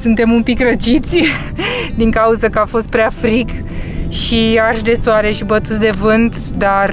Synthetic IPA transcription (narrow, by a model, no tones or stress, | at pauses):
sunt̪e̞mumpikrət͡ʃit̪sʲ | d̪iŋkauzəkəafo̞st̪̚pɾeafɾik | ʃiarʃd̪e̞soaɾe̞ʃibət̪ut̪sʲd̪e̞vɨnt̪ | d̪ar